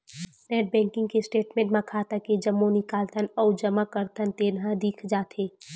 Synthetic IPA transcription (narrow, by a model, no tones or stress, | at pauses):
nɛːʈ̚bɛ̃ːŋkɪ̃ŋɡkesʈeːʈmẽːɳʈmãkʰaːt̪aked͡ʒəmːonɪkaːlt̪ʰənɔːd͡ʒɐmakəɾt̪ʰənt̪eːnɦãd̪iːkʰd͡ʒaːt̪ʰeː